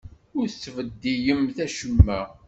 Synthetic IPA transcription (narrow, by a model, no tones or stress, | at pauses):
ʊɾθt͡sːvəd̪ːijəmθæʃəmːæ